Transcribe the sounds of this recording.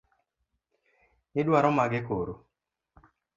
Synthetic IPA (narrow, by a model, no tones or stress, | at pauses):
ɪdwaɾɔmaɡɪkoɾo